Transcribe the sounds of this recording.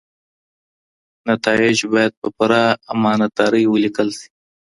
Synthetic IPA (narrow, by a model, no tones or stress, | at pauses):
nat̪ɑɪd͡ʒbɑjad̪̚pəpʊɾaːmɑnat̪aːɾəjwəlikəlsi̥